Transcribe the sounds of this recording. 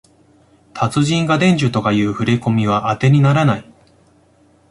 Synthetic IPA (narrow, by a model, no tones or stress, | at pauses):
t̪ʰat͡sɨʑĩŋɡad̪ẽ̞ɲ̟d͡ʑɨt̪o̞kajɯ̟ːɸɯ̟ɾeko̞mʲiβ̞aʔːt̪e̞ɲ̟inaɾanai